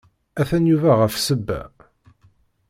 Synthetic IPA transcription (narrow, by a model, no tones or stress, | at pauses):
æθænjuvæʁəfsəbːæ̰